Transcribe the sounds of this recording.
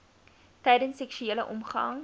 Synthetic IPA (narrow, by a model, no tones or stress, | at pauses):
tɛjdənsɛkʃyeːləʔɔmχɐ̰ŋ